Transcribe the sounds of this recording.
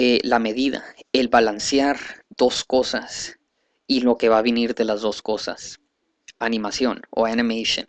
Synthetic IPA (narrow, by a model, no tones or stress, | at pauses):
elame̞ðiða̰e̞lβalansjaɾð̥o̞sko̞sas | ilo̞ke̞βaβiniɾðe̞lazðo̞sko̞sa̰s | anĩmasjo̞no̞̰animejsjo̰n